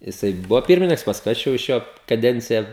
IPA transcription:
jɪˈsɐɪ ˈbʊʋoː ˈpʲɪrʲmʲɪnʲɪŋks pɐsˈkʊɪ ˈɐʃ jɛʊ ɪʃ ˈjoː kɐˈdʲɛnʲt͡sʲɪjɛ

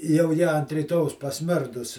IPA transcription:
jɛʊ ˈjɪ ɐnt rʲiːˈtoːjɛʊs pɐsʲˈmʲɪrdʊs

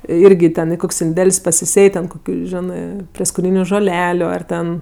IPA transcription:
ˈɪrʲɡʲɪ tʲɛn ɪ ˈkoːkʲsʲ ɪnʲˈdʲɛlʲsʲ pɐsʲɪˈsʲeːj tʲɛn ˈkoːkʲʊ ˈʒʲæːnɜ pʲrʲiɛskoːˈnʲiːnʲʊ ʒoːˈlʲæːlʲʊ ˈɐr tʲɛn

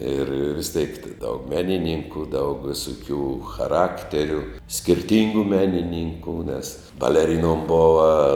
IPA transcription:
ɪr ʋʲɪs tʲeːk tʲɪ ˈdɐʊk ˈmʲæːnʲɪnʲiːŋkʊ dɐʊk ˈʋʲɪsʊˌkʲuː xɐˈrɑːktʲɛrʲʊ sʲkʲɪrʲˈtʲiːŋɡʊ ˈmʲæːnʲɪnʲiːŋkuː nʲɛs bɐlʲɛˈrʲɪnoːm ˈboːʋɐ

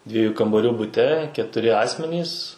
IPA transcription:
ˈdʲʋʲiɛjuː kɐmbɐˈrʲuː bʊˈtʲɛ kʲɛtʊˈrʲɪ ˈɑːsʲmʲɛnʲiːs

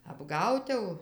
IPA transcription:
ɐbˈɡɐʊt jɛʊ

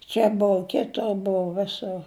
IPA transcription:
ˈt͡ʃʲɛ ˈboːʊ ˈkʲɪtoːr ˈboːʊ ˈʋʲɪsʊr

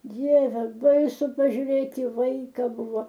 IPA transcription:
ˈdʲiɛʋʲɛ ˈbɐɪsʊ pɐʒʲʊˈrʲeːt ɪ ˈʋɐɪkɐ ˈbʊʋoː

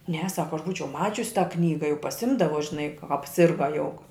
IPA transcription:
nʲɛ ˈsɑːkoː ɐʃ ˈbuːt͡ʃʲɛʊ ˈmɑːt͡ʃʲʊs tɑː ˈknʲiːɡɐ jɛʊ pɐˈsʲɪmdɐʋoː ʒʲɪˈnɐɪ kɐ ɐpʲˈsʲɪrɡɐ jɛʊ

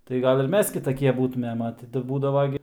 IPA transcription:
tɐɪ ˈɡɐlʲ ɪr ˈmʲɛs kʲɪtɐˈkʲiɛ ˈbuːtʊmʲeːm ɐ ˈtʲɪ tɐɪ ˈbuːdɐʋoː ɡʲɪ

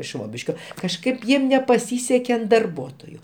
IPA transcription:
ˈʃʋoːbʲɪʃʲkʲoː kɐʃˈkɐɪp ˈjiɛm nʲɛpɐˈsʲiːsʲɛkʲɛ ɐn dɐrˈbuɔtoːjʊ

